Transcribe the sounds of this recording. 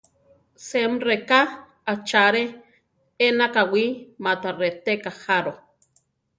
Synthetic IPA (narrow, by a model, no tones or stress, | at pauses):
semreka | at͡ʃaɾe | enakawimat̪aret̪ekahaɾo